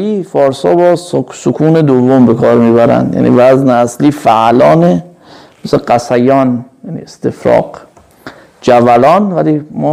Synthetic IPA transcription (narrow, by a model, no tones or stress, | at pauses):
iːfɒːɾshɒ̰ːbɒːsokʰuːne̞d̪ovːombe̞kʰɒːɾmiːbæɾæ̰nd̪jæ̰nʔḭːvæzneæsliːfæʔlɒːne | meseɢæsæjɒːnjænḭest̪efɾɒ̰ːq | d͡ʒævælɒːnvælimɔ